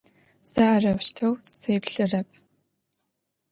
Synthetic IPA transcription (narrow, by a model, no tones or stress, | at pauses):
sɐarɐwɕtʰɐwseːpɬɨrɐp̚ʰʼ